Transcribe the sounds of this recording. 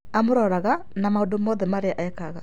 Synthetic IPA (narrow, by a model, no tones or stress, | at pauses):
amoɾɔːɾaɣa | namaondomɔðɛmaɾeaʔaɛkaɣa